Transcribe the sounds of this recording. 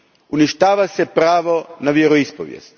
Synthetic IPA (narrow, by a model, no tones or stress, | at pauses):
uniʃt̪aːʋasepɾaːʋo̞naʋjeɾoispo̰ʋjḛst̪